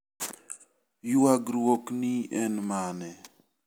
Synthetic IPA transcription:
juwaɡɾwokniɛnmanɛ

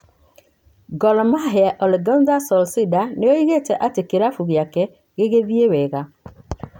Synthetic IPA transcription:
ɡɔlmaɦeaʔɔleɡandasɔlsidaneojiɣeteʔatekeɾafuɣiake | ɡeɣevieweɣa

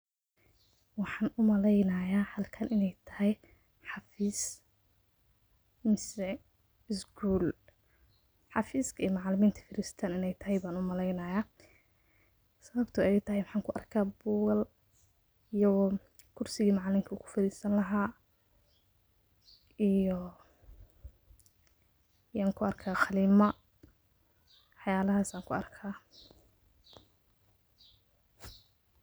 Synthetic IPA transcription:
wɑħɑːnʊmɐlɛjnɐːjaːhɐlkʰɐnʔɪnɛjt̪ʰɐɦɛj | ħɑfiːs | mɪsɛ | ɪsɡʰuːl | ħɑfiːskʰɐiːmɑʕlɪmiːnt̪ʰɐ̥fɪɾɪst̪ʰaːnɪnɛjt̪ʰɐɦɛjbaːnʊmɐlɛjnɐjaː | sɐβɐbt̪ʰʊɛjt̪ʰɐɦɛjwɑħɑːŋkʰʊʔɐ̰rkʰaːbuːɣɐl | ijɔɣ | kʰʊrsɪɣiːmɑʕlɪmkʰɐuːkʰʊ̥fɐɾiːsɐnlɐɦaː | ijɔ | ijaːŋkʰʊɐrkʰaːqɑliːmɐ | ħjaːlɐɦaːsaːŋkʰʊɐ̰rkʰaː

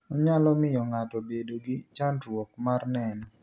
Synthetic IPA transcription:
ɔɲalɔmɪjɔŋatɔbedoɡɪt͡ʃandɾwɔkmarnɛnɔ

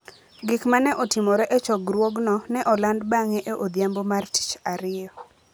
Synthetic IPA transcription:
ɡɪkmanɛʔɔtɪmɔɾɛʔet͡ʃɔɡɾwɔɡnɔnɛʔɔlandbaŋɛʔeʔod̪jambomarti̥t͡ʃaɾɪjɔ

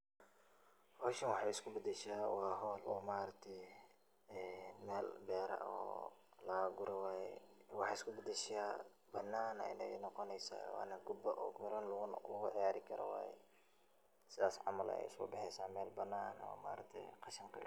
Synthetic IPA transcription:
hɔːʃɐnwɑħɑɪskʰʊbɐd̪ɛʃaːwaːɦɔːlɔːmaːɾɐk̚t̪ʰɛj | ɛːnmɛːlbɛːɾɐ̰ɔ̰ːlɐɡʊɾɛwaːjɛ̰wɑħɑːɪskʰʊbɐd̪ɛʃaː | bɐnːaːnɛ̰ɪnɛnɔqɔnɛjsa̰ːwa̰ːnɐɡʊbɐʔɔ̰ːmɪɾɐnlʊɣʊʕɪjaːɾɪkʰɐɾɔ̰wa̰ːjɛ̰ | sɪðaːsʕɑ̰mɐlɐ̰ɛ̰jɪskʊ̰bɑħɛjsaːmɛːlbɐnːaːnɔ̰ːmaːɾɐkt̪ʰɛ̰qɑʃɐŋkʰɐ̰

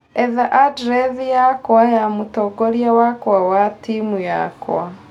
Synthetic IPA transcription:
ɛðaʔadɾɛðijakwajamutɔɡoɾjawakwawatimuja̰kw̰a

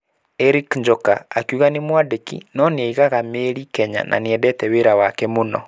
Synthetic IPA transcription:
ɛɾikɲd͡ʒɔka̰akuɣanemwadekḭnɔneɛiɣaɣameːɾikɛɲa̰nʔa̰neɛdɛtɛweɾawakɛmonɔ̰

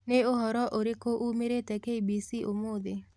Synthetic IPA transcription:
neoɦɔɾɔʔoɾekoʔumeɾetɛkeibisiʔomod̪e

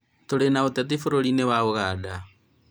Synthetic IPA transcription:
toɾenaotat̬ifoɾoɾinewaoɣada

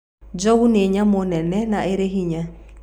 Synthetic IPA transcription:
d͡ʒɔɡuneɲamʊnɛnɛnaeɾeɦiɲa

